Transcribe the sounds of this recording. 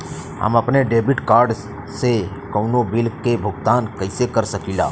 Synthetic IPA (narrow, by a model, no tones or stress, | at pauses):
a̰məpneɖebiʈkaːɾɖ | se | kəwnobɪlkebʱʊɡt̪ankəisekəɾsəkila̰ː